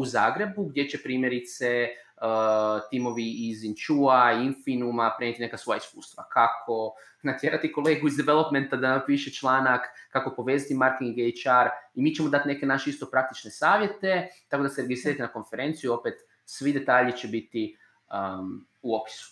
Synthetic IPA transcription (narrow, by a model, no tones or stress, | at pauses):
uzaːɡɾe̞buɡd̪ʲje̞t͡ʃe̞pɾiːmje̞ɾit̪se | ət̪imo̞ʋiːzint͡ʃuainfinumapɾeɲet̪ine̞kasʋo̞jaiskuːst̪ʋa̰kʰakʰo̞ | nat̪je̞ɾat̪iko̞lˠe̞ːɡuizd̪eʋelo̞pme̞nt̪ad̪anampiʃe̞t͡ʃlˠaːnakːako̞po̞ʋe̞ːzat̪imaɾkiŋɡejt͡ʃaɾimiːt͡ʃemo̞d̪at̪ne̞ke̞naʃeist̪o̞pɾak̚t̪i̥t͡ʃne̞saːʋje̞t̪e̞t̪akod̪aseɾeɡʲisɾiɾat̪inako̞nfe̞ɾe̞nt̪sijuio̞pet̪ | sʋid̪e̞t̪aːʎit͡ʃe̞bit̪i | ə | uo̞pi̥su̥